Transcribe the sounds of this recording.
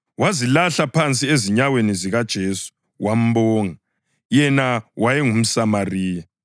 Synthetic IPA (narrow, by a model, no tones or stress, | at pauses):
wazilaɬapʰant͡sʼieziɲaweniziɣad̥ʒ̥ʱesu̥ | wʔam̩bɔːŋa | jɛnawʔajɛŋum̩samariːja